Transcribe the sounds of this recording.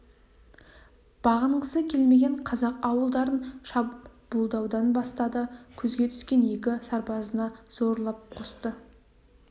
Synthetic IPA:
b̥ɑʁəɴʁəsəkʲʰe̞lme̞ɡʲe̞ɴqʰɑzɑqɑwəlˠd̪ɑɾənʃɑb̥ulˠd̪ɑwd̪ɑnbɑst̪ɑd̪əkʲʰɵzɡʲe̞t̪ʰʏ̥skʲe̞nje̞kʲɪsɑɾpɑzənɑz̥o̞ɾlˠɑp̚qʰost̪ə

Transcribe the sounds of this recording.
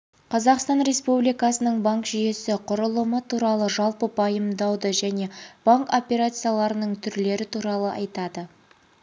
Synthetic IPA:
qʰɑzɑqst̪ɑnɾe̞spublijkɑsənəɴbaŋkʒije̞sɪqʰʊɾəlˠəmət̪ʰuɾɑlˠəʒɑlˠpəpʰɑjəmd̪ɑwd̪əʒæne̞b̥aŋko̞pʲe̞ɾat̪sɨjalˠɑɾənəɴt̪ʰʏɾle̞ɾɪt̪ʰuɾɑlˠəʔɑjt̪ɑd̪ə

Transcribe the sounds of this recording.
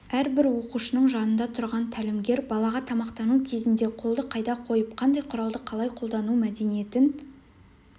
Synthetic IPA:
æɾbɪɾwo̞quʃənəɴʒɑnənd̪ɑt̪ʰʊɾʁɑnt̪ʰælɪmɡʲe̞ɾbɑlˠɑʁɑt̪ʰɑmɑqt̪ɑnukʲʰe̞zɪnd̪e̞qʰo̞lˠd̪əqʰɑjd̪ɑqʰo̞jəp̚qʰɑnd̪ɑjqʰʊɾɑlˠd̪əqʰɑlˠɑjqʰo̞lˠd̪ɑnumæd̪e̞nije̞t̪ɪn

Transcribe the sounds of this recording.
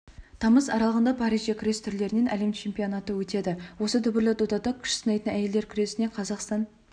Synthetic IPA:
t̪ʰɑməzɑɾɑlˠəʁənd̪ɑpʰɑɾiʒɑkʲʰɾest̪ʰʏɾle̞ɾɪne̞nʔæle̞mt͡ʃʰe̞mpijo̞nɑt̪əwɵt̪e̞d̪ɪwo̞sət̪ʰʏbɪɾlɪt̪od̪ɑt̪ɑkʲʰʏ̥ʃsənɑjt̪ənæje̞ld̪e̞ɾkʲʰʏɾe̞sɪne̞qʰɑzɑqst̪ɑn

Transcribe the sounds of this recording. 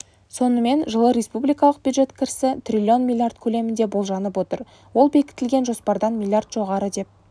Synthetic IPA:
so̞nəme̞nʒəlˠəɾʲe̞spublʲijkɑlˠəq̚b̥ʲjud̪ʒe̞t̪kʲʰɪɾsɪt̪ʰrʲilʲio̞nmʲilʲˠjard̪kʲʰɵle̞mɪnd̪ebo̞lˠʒɑnəpwo̞t̪əɾ | wo̞lˠbe̞kʲɪ̥t̪ɪlɡʲe̞nʒo̞spɑɾd̪ɑnmʲilʲˠjard̪ʒo̞ʁɑɾəd̪e̞p̚

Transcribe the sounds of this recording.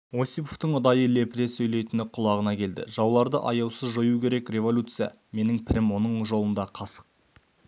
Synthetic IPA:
wo̞sʲipoft̪əɴʊd̪ɑjəle̞pɪɾesːɵjle̞jt̪ɪnɪqʰʊlˠɑʁənɑkʲʰe̞ld̪ɪ̰ʒɑwlˠɑɾd̪əʔɑjɑwsəzʒojukʲʰe̞ɾe̞kɾʲe̞vo̞lʲut̪sɨjɑ̰ | me̞nɪŋpʰɪɾɪmwo̞nəɴʒo̞lˠənd̪ɑqʰɑsə̥q̚

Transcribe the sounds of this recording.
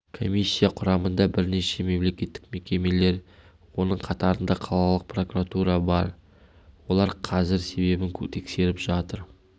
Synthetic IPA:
kʰo̞mʲijsʲːijaqʰʊɾɑmənd̪ɑbɪɾne̞ʃe̞me̞mle̞kʲe̞t̪ːɪk̚me̞kʲe̞me̞le̞ɾ | wo̞nəɴqʰɑt̪ɑɾənd̪ɑqʰɑlˠɑlˠəq̚pro̞kuɾat̪uɾɑbɑɾ | wo̞lˠɑɾqʰɑzɪɾse̞be̞bɪŋkʲʰɵt̪ʰe̞kse̞ɾɪpʒɑt̪əɾ

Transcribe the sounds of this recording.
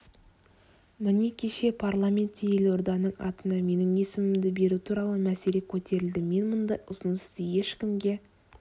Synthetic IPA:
mɪnekʲʰe̞ʃe̞pʰarlˠamʲe̞nt̪ːejelo̞ɾd̪ɑnəɴɑt̪ənɑme̞nɪŋe̞sɪmɪmd̪ɪbe̞ɾut̪ʰuɾɑlˠəmæse̞le̞kʲʰɵt̪ʰe̞ɾɪld̪ɪme̞nmʊnd̪ɑjʊsənəst̪əje̞ʃkʲɪmɡʲe̞

